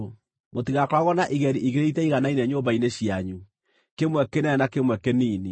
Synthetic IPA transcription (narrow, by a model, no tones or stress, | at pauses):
motiɣakwaɣɔnaʔiɣɛɾiʔiɣeɾeitɛiɣanainɛɲobaineɕiaɲu | kemwɛkenɛnakemwɛkeniːni